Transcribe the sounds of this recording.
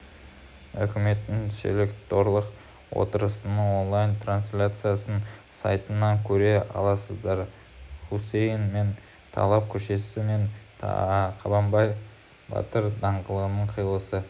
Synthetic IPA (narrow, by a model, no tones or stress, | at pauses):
ɵkʲɪme̞t̪ːɪŋsḛlekt̪o̞ɾlˠəq | wo̰t̪əɾəsənəɴo̞nlˠajnt̪ransʲlʲat̪sɨjasənsa̰jt̪ənɑŋkʲʰɵɾe̞ɑ̰lˠɑsəzd̪ɑɾ | χusejnme̞n | t̪ʰɑ̰lˠɑp̚kʲʰɵʃe̞sɪme̞n | qʰɑbɑmbɑj | bɑ̰t̪əɾd̪ɑɴʁəlˠəʁənəɴqʰəjəlˠəsə